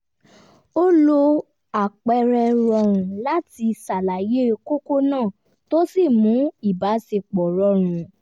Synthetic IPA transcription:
o˦lo˧ | a˨k͡pɛ˧ɾɛ˧ɾɔ˧ɾ̃ũ˨la˦ti˧sa˨la˨je˦˧ko˦ko˦nãː˦˨ | to˦si˦˨mũ˨˦i˦˨ba˨˦se˧k͡pɔ˨ɾɔ˧˦ɾ̃ũ˨˦

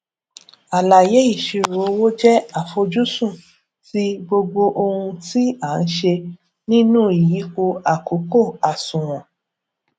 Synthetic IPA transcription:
a˨la˨je˨˦i˦˨ʃi˧ɾo˨˦wo˦d͡ʒɛ˦a˨fo˧d͡ʒu˦sũ˦˨ | ti˦ɡ͡bo˧ɡ͡bo˧ʔo˧hũ˧ti˦a˨˦n̩˦ʃe˧ | nĩ˦nũ˦i˨ji˨˦ko˧a˨ko˨˦ko˦˨a˨sũ˨w̃ɔ̃˨

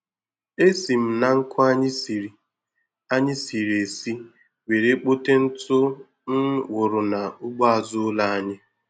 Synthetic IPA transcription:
e˦si˨m̩˨na˨ŋ̩˦kʰʊ˦a˦ɲɪ˦si˨ɾi˨ | a˦ɲɪ˦si˨ɾe˨si˦ | we˨ɾe˦k͡po˦te˦n̩˦tʊ˦ | n̩˦wʊ˨ɾʊ˨na˨ʊ˦ɡ͡bɔ˦a˨zʊ˦la˦a˦ɲɪ˦

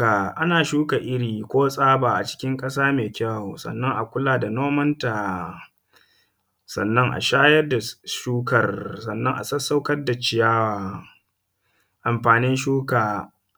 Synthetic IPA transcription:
a˨ʔa˦naː˨ʃuː˦ka˨ʔɪ˦ɽiː˨kʷoː˦sʼaː˦baː˨ʔa˨t͡ʃɪ̥˦kʲɪ˦ŋkʼɐ˦saː˦meː˨kʲa˦wsɐ̰˨nːɐ˦ŋʔa˨kʷʊ˦laː˨da˨noː˦mɐ˦nta˨ | sɐ̰˨nːɐ˦ŋʔa̰˨ʃaː˦jɐ˦rda˨ʃuː˦kɐ˨rsɐ˨nːɐ˦ŋʔa˨sɐ˦sːa˦wkɐ˦rda˨t͡ʃɪ˨jaː˦waː˨ | ʔa˨mɸaː˨nɪ˦nʃuː˦kaː˨

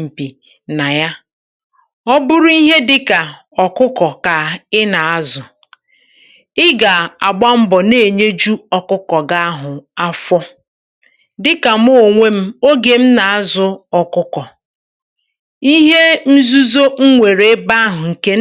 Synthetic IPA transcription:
m̩˨pi˨ | na˨ja˦ | ɔ˦bʊ˦ɾʊ˦i˦ɦe˦dɪ˦ka˨ | ɔ˨kʊ˦kɔ˨ka˨ɪ˦na˨a˦zʊ˨ | ɪ˦ɡa˨a˨ɡ͡ba˦m̩˦bɔ˨ne˨ɲe˦d͡ʒu˦ɔ˦kʊ˦kɔ˨ɡa˦a˦ɦʊ˨a˦fɔ˦ | dɪ˦ka˨m˦o˦˨ŋʷe˦m̩˦o˦ɡe˨m̩˦na˨a˦zʊ˨ɔ˨kʊ˦kɔ˨ | i˦ɦe˦m̩˦zu˦zo˦ŋ̩˦ŋʷe˨ɾe˨˦ba˦a˦ɦʊ˨ŋ̩˨ke˦

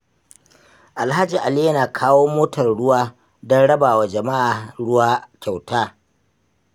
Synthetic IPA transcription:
ʔa˨lɦa˦d͡ʒi˨ʔa˨li˦jɐ˦naː˨kʰaː˦woː˦moː˦tɐ˨rɽʊ˦waː˦ | dɔ˦nɽɐ˦baː˨wa˨d͡ʒɐ˨ma˦ʔaː˨ɽʊ˦waː˦kʲa˨wtaː˦

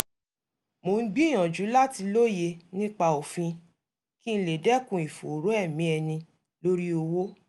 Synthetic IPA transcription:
mo˨n̩˦ɡ͡bi˦˨j̃ã˨d͡ʒu˨˦la˦ti˧lo˦je˧nĩ˦k͡pa˧o˨fĩ˧ | ki˦n̩˦˧le˨dɛ˦kũ˨i˨fo̰˨ɾo˨˦ɛ˦˨mĩ˨˦ɛ˧nĩ˧ | lo˦ɾi˦o˧wo˦

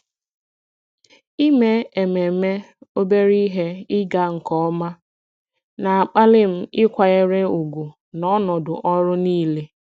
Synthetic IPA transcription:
i˦me˦e˨me˨me˦o˦be˦ɾi˦ɦe˦ɪ˦ɡa˦ŋ̩˨kɔ˦ma˦ | na˨a˨k͡pa˦lɪ˦m̩˦ɪ˦kʷa˨ɣe˦ɾe˦u˨ɡʷu˨ | nɔ˦nɔ˨dʊ˨ʔɔ˦ɾʊ˦niː˦le˦

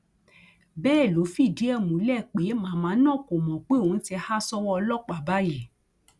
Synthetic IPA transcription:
bɛː˦˨lo˨˦fi˦˨di˨˦ɛ˦˨mũ˨˦lɛ˦˨k͡pe˨˦mãː˨˦mãː˨˦nã˦˨ko˨mɔ̃˨k͡pe˦o˦˨˦n̩˦ti˧˦ha˦sɔ˦wɔ˦ɔ˧lɔ˦˨k͡pa˨ba˦je˦˨

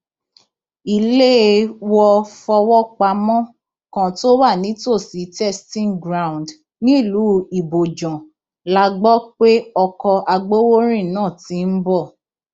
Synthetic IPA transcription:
i˨le˦˧wɔ˧fɔ˧wɔ˦k͡pa˧mɔ̃˦ | kã˨to˦wa˦˨nĩ˨˦to˦˨si˨˦tɛ˦stĩ˦ŋɡɾa˨w̃nd | nĩ˦˨lu˨˦i˨bo˨d͡ʒɔ̃˨ | la˧ɡ͡bɔ˦k͡pe˦ɔ˧kɔ˧ʔa˧ɡ͡bo˦wo˦ɾ̃ĩ˦˨nãː˦˨ti˨˦n̩˦bɔ˦˨

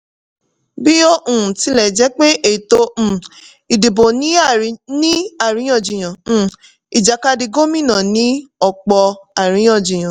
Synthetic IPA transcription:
bi˦o˦ʔũ˨ti˨˦lɛ˨d͡ʒɛ˨˦k͡pe˦ʔe˦˨tõ˧˦˨ | i˨di˨bo˨nĩ˨˦˨nĩ˦a˦˨ɾĩ˨˦j̃ɔ̃˦˨d͡ʒĩ˨j̃ã˨˦˨ | i˨d͡ʒa˨ka˧di˧ɡo˦mĩ˦˨nã˨nĩ˨˦ɔ˦˨k͡pɔ˧a˨ɾĩ˨˦j̃ɔ̃˦˨d͡ʒĩ˨j̃ã˨

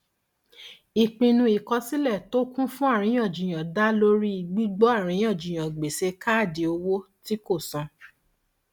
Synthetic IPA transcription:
i˨k͡pĩ˧nũ˧˦i˨kɔ˧si˦lɛ˦˨to˦kũ˦fũ˦a˦˨ɾ̃ĩ˧˦j̃ɔ̃˦˨d͡ʒĩ˨j̃ã˨da˦lo˦ɾi˦i˧˨ɡ͡bi˦ɡ͡bɔ˦a˦˨ɾ̃ĩ˨˦j̃ɔ̃˦˨d͡ʒĩ˨j̃ã˨ɡ͡be˨se˧˦ka˦˨di˧o˧wo˦ti˦ko˦˨sɔ̃˧

